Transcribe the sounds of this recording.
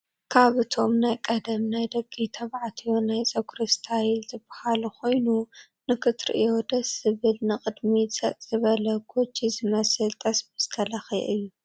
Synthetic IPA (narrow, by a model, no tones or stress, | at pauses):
kʰaβɨt̪ʰo̞mnajkʼɐd̪ɐmnajd̪ɐɡʼit̪ʰɐβʕat̪ʰijonajsʼɐɡɾɨst̪ʰajilzɨbahalukʰo̞jnu | nɨkʰɨt̪ɾḭʔjo̞d̪ɐsɨβɨlnɨqʼɨd̪misʼɐt̪ʼz̥ɨβɐlɐkʰot͡ʃːizɨmɐsɨlt̪ʰʼɐsbɨst̪ʰɐlɐxiʔɨjːu